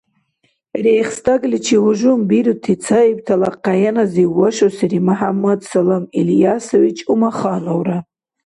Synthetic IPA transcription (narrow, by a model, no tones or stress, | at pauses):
rejχstʼaɡlit͡ʃʰiwuʒumbiɾutʰit͡sʰaibtʰalaqːajanaziwaʃosiɾimaħamːadsalamiljasowit͡ʃʼumaχanowra